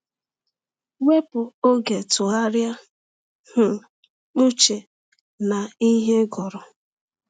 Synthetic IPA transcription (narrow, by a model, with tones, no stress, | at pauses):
we˦bʊ˨o˦ɡe˨tʊ˨a˦ɾja˦ | hʊ˨ | ʊ˦t͡ʃe˨ | na˨i˦ɦe˦ɡɔ˨ɾʊ˨